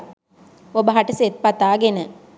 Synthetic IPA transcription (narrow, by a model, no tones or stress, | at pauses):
obəɦɐʈəset̪̚pɐt̪aːɡenə